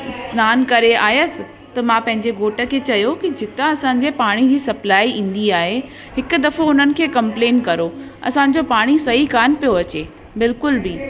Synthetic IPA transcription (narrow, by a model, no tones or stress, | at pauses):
snaːnkɐɾeaːjəsɪ̆ | t̪ɐmãpɐ̃ɦɪ̃ɲd͡ʑeɡoːʈə̆kʰeːt͡ɕɐjokid͡ʑɪt̪aɐsãːɲ̆d͡ʑepaːɽ̃id͡ʑiːsɐplaːiʔĩːn̆d̪iaːɦe | ɦɪkʊ̆d̪ɐfoʊn̤ənɪ̆kʰeːkɐ̃mpleːnkɐɾoɐ̰sãɲ̆d͡ʑopaːɽ̃isɐɦikaːnpijoɐt͡ɕeː | bɪlkʊlbi